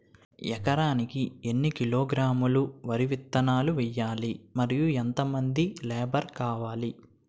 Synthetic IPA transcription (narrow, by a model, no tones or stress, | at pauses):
jɛkɐɾaːnikienːikiloːɡɾaːmuluʋɐɾiʋit̪ːɐnaːluʋɛjːaːlimɐɾijuɛnt̪ɐmɐnd̪ilɛːbɐɾkaːʋaːli